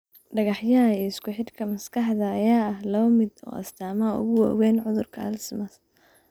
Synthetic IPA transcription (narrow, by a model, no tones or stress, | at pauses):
ɖɐɣɑħjɐiːɪskʊħɪd̪kʰɐmɐskʰɐħðɐːjaːɐɦlɔːmɪd̪ɔ̰ːɐ̰st̪ʰaːmaʊ̰ɣʊwɑ̰ːwɛːnʕʊðʊrkʰɐɐ̰lsmɐs